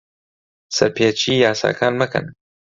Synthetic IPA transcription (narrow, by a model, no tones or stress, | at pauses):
sɐɾpʰeːt͡ʃiːjaːsa̰ːkʰaːnmɨkʰɨ̰n